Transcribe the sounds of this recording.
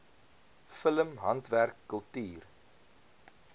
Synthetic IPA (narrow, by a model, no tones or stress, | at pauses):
fələmɦɐntværkːəlˠtyːr